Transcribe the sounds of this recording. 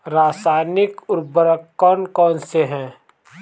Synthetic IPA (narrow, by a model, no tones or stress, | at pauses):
ɾaːsaːɪnɪkʊɾbəɾəkːɔːnkɔ̃ːnseɦɛ̃ː